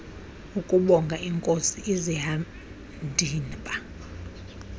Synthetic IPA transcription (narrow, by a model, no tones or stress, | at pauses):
ukʼuɓɔŋɡʱaiŋkʼosiʔiziɦa | ndʱiːnpʼa